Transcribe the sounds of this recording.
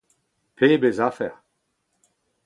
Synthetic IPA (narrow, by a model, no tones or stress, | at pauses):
pʰeːbezafɛ̰ʁ